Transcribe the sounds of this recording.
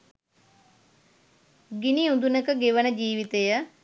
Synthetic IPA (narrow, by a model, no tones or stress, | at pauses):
ɡiniund̪unəkəɡeʋənəd͡ʒiːʋit̪ejə